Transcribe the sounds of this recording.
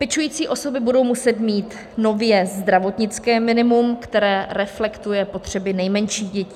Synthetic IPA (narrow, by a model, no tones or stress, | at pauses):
pɛt͡ʃujiːt͡siːʔo̞so̞bɪbudo̞wmusɛt̪miːt̪ | no̞vjɛzd̪ɾavo̞t̪ɲɪt͡skɛːmɪnɪmumkt̪ɛɾɛːɾɛflɛkt̪ujɛpo̞t̪r̝̥ɛbɪnɛjmɛnʃiːɣɟɛciː